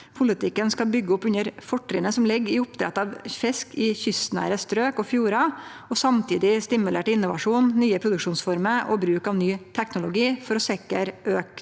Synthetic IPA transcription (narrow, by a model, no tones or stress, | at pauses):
pʰʊlɪt̪ʰɪkːənskɑlbʏɡːəʊpːʉɲəɾfɔʈːɾɪnəsɔmlɪɡːɪʊpt̪ʰɾɑ̰t̪ːɑʋfɛskʰɪçʏst̪næ̰ːɾəst̪ɾøːkɔfjuːɾɑ | ɔsɑmt̪ʰḭːd̪ɪst̪ɪmʉleːʈɪnːʊʋɑʂuːnːyːəpʰɾʊd̪ʉkʂuːnsfɔɾməʔɔ̰bɾʉːkɑʋnyːt̪ʰɛknʊlʊɡiːfɔɾɔsɛkəɾøːk